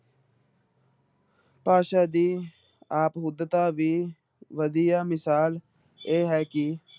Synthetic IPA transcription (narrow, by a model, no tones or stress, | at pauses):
paːʃaːd̪iː | aːpɦʊd̪t̪aːʋiː | ʋəd̪ijaːmɪsaːl | eːɦɛːkɪ